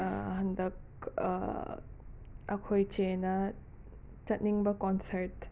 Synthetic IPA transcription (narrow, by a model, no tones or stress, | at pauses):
ɦɐndɐk̚ | ɐkʰojt͡ʃenɐ | t͡ʃɐt̚niŋbɐkɔnsɐɾt